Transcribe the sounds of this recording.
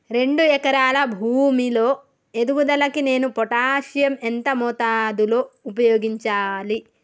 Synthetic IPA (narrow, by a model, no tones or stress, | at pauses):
ɾe̞ɳɖuɛkɐɾaːlɐbʱuːmilo̞ː | e̞d̪uʋud̪ɐlɐkine̞ːnupɔʈaːʃjɐment̪ɐmɔt̪aːd̪ulo̞ːupɐjoːɡiɲt͡ʃaːli